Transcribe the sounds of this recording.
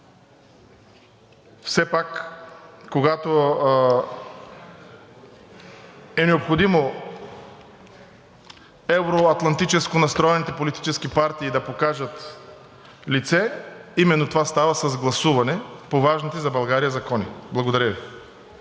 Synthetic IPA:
fsɛpak | kːoɡat̪o | ɛnɛopxod̪imo | ɛvɾoɐt̪lˠɐnt̪it͡ʃɛskonɐst̪ɾɔɛnit̪ɛpolit̪i̥t͡ʃɛskipaɾt̪iːd̪ɐpokaʒɐt̪ | lit̪sɛimɛnːot̪ovast̪avɐsɐzɡlˠɐsuvɐnɛpovaʒnit̪ɛzɐbɐlˠɡaɾijəzɐkɔniblˠɐɡod̪ɐɾʲəvi

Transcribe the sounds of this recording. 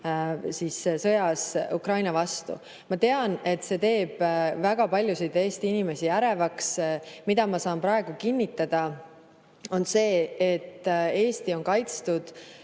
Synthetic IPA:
sissɤjɑsukrɑjnɑvɑst̪ṵ | mɑt̪e̞ɑne̞t̪ːˑse̞t̪e̞ːb̥væɡ̥ɑpɑlʲjusid̪e̞ːst̪iinime̞sijæɾe̞vɑksmid̪̥ɑmɑsɑːmpɾɑe̞ɡ̥ukinʲːit̪ːˑɑd̪̥ɑ | o̞nse̞ːet̪ːe̞ːst̪io̞nkɑjt̪st̪ud̪̥

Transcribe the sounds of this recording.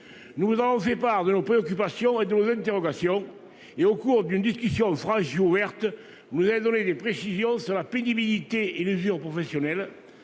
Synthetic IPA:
nuvuzavɔ̃fɛpaʁd̪ənopχeɔkypasjɔ̃ed̪ənozɛ̃nt̪eʁɔɡasjɔ̃ | eokuʁd̪ynəd̪iskysjɔ̃fχɑ̃ʃiuvɛʁt̪ə | nuzaɛd̪ɔned̪epχesizjɔ̃syʁlapenibilit̪eelyzyʁpʁɔfɛsjɔnɛl

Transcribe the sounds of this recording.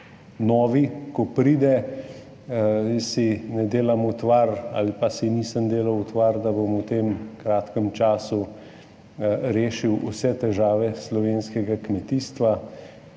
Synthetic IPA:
nɔːʋikɔpɾiːd̪ɛ | sinɛd̪eːlamut̪ʋaɾa̰lipasiniːsəmd̪eːlawut̪ʋaɾd̪abomut̪eːmkɾaːt̪kəmt͡ʃaːsu | ɾeːʃiwṵsɛt̪ɛʒaːʋɛslɔʋeːnskɛɡakmɛt̪iːst̪ʋa

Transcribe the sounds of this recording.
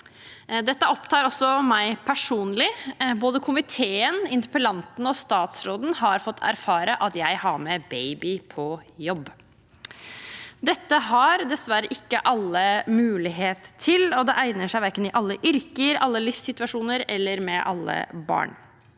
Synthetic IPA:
d̪ɛt̪ːəɔpt̪ʰɑːɾɔsɔmæɪpʰæʂuːnlɪboːd̪əkʰʊmɪt̪ʰeːənɪnt̪ɪpəlɑnt̪n̩ɔst̪ɑːt̪sɾoːd̪n̩hɑɾfɔt̪ːæ̰ɾfɑːɾəʔɑt̪jæɪhɑɾmɛbeɪbɪpʰɔjɔbː | d̪ɛt̪ːəhɑɾd̪ɛsʋæɾəʔɪkːəʔɑlːəmʉːlɪɦeːt̪ʰːɪlɔd̪ɛʔæɪnəʂæɪʋæɾkənɪʔɑlːəʔʏɾkəɾɑlːəlɪfsɪt̪ʋɑʂuːnəɾɛlːəɾmɛʔɑ̰lːə̰bɑ̰ːɳ

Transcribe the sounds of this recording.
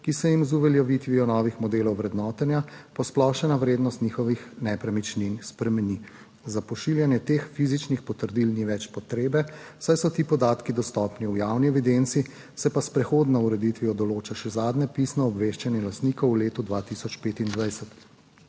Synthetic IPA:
kisɛjimzuʋɛljɔʋit̪ʋiɔnɔːʋixmɔd̪eːlɔwʋɾɛd̪nɔːt̪ɛnjapɔsplɔʃɛnaʋɾeːd̪nɔst̪nʲiːxɔʋixnɛpɾɛmit͡ʃninspɾɛmɛni | zapɔʃiljanjɛt̪exfiːzit͡ʃnixpɔt̪əɾd̪ilniʋɛt͡ʃpɔt̪ɾeːbɛ | sajsɔt̪iːpɔd̪aːt̪kid̪ɔst̪ɔːpniujawniɛʋid̪ent̪si | sɛpaspɾɛxoːd̪nɔuɾɛd̪it̪ʋiɔd̪ɔloːt͡ʃaʃɛzaːd̪nɛpisnɔːbʋeːʃt͡ʃanjɛlast̪niːkɔwːleːt̪ud̪ʋaːt̪isɔt͡ʃpeːt̪ind̪ʋajsɛt̪

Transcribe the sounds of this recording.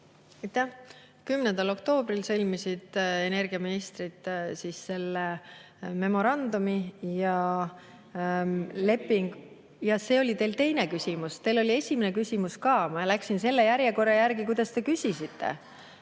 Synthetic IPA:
ɑjt̪ːæh | kymnend̪ɑlo̞kt̪o̞ːbrilsɤlʲmisid̪̥e̞ne̞rɡiɑminist̪rit̪ˑsiːsːe̞lːe | me̞mo̞ɾɑnd̪umijɑ | le̞pːˑiŋɡ̥ | jɑse̞ːo̞lʲit̪e̞ːlt̪e̞jne̞kysʲimust̪e̞lo̞lʲie̞sʲimene̞kysʲimuskɑːmɑlæksinse̞lːejæɾjeko̞ɾɑjærɡikujd̪̥ɑst̪e̞kysʲisit̪ːe̞̰

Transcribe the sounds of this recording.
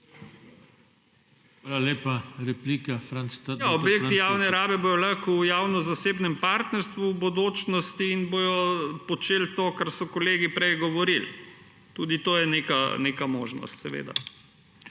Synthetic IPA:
xʋaːlaleːpaɾɛpliːkafɾant͡st̪ajaobjekt̪ijaːwnɛɾaːbɛbojɔlɐkujaːwnɔzaseːbnɛmpaːɾt̪nɛɾst̪ʋuwbud̪oːt͡ʃnɔst̪iːnbojɔpɔt͡ʃeːlt̪oːkaɾsɔkɔleːɡipɾɛjɡɔʋɔɾil | t̪uːd̪it̪oːjɛneːkanekamoːʒnɔ̰st̪sɛʋḛd̪a̰

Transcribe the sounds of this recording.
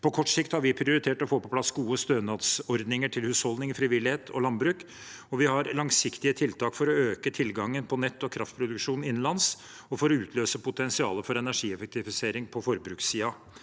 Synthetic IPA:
pʰɔkʰɔʈsɪkt̪hɑɾʋɪpʰɾɪʊɾɪt̪ʰeːʈɔfoːpɔpʰlɑsɡuːəst̪øːnɑːt̪sɔɾd̪nɪŋəʈʰɪlhʉːshɔld̪ɪŋfɾɪʋɪlɪheːt̪ʰɔ̰lɑnbɾʉːk | ɔʋɪhɑɾlɑŋsɪkt̪ɪət̪ʰɪlt̪ʰɑːkfɔɾɔøːkət̪ʰɪlɡɑŋːənpʰɔnɛt̪ːɔkʰɾɑft̪̚pʰɾʊd̪ʉkʂuːnɪnnlɑns | ɔfɔɾɔʉːt̪ʰløːsəpʰʊt̪ʰɛnsɪɑ̰ːləfɔɾɛnæʂiːɛfɛk̚t̪ɪfɪseːɾɪŋpʰɔfɔɾbɾʉːksːiːɑ

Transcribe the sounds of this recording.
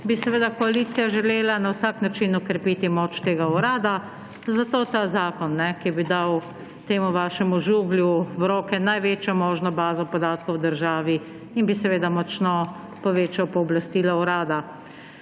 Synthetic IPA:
bisɛʋeːd̪akɔaliːt̪sijaʒɛleːlanawsaknat͡ʃinɔkɾɛpiːt̪imoːt͡ʃt̪eːɡauɾaːd̪a | zat̪oːt̪azaːkɔnːɛkibid̪aw | t̪eːmuʋaːʃɛmuʒuːɡljuwɾoːkɛnajʋeːt͡ʃjɔmɔːʒnɔbaːzɔpɔd̪aːt̪kɔwd̪əɾʒaːʋi | inbisɛʋeːd̪amɔt͡ʃnɔ | pɔʋeːt͡ʃawpɔɔblast̪iːlɔɔɾaːd̪a

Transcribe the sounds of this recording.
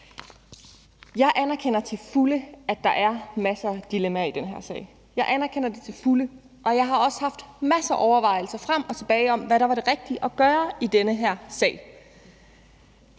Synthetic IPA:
jɑ̈ɪʔænæɐkʰen̰ɐt͡sʰe̝lfuləæd̥ɑ̈ʔæɐmæsɐd̥ilemæid̥enɦeɐ̰sɛ̰ːɪ | jɑ̈ɪʔænæɐkʰen̰ɐd̥e̝t͡sʰe̝lfulə | ʔɒ̽jɑ̈ɪɦɑ̈ɒ̽sə̥hɑ̈fd̥mæsɐʔɒʊɐʋɑ̈ɪl̩sɐfʁam̰ɒ̽t͡sʰe̝b̥ɛːɪɒ̽mʋæɾɑ̈ʋɑ̈ɾe̝ʁɛɡ̥̚d̥iʔɒ̽ɡ̥ɶːɐid̥enəɦæɐ̰sɛ̰ːɪ

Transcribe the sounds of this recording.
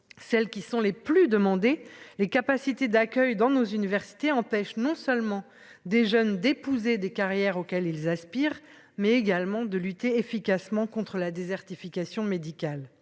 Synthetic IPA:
sɛlkʲisɔ̃leplyd̪əmɑ̃d̪elekapasit̪ed̪akʲœjd̪ɑ̃nozynivɛʁsi̥t̪eɑ̃pɛʃnɔ̃sœlmɑ̃ | d̪eʒœnd̪epuzed̪ekaʁjɛʁokʲɛlilzaspiːʁ | mɛeɡalmɑ̃d̪əlyt̪eːfikasmɑ̃kɔ̃t̪χəlad̪ezɛʁt̪ifikasjɔ̃med̪ikʲal

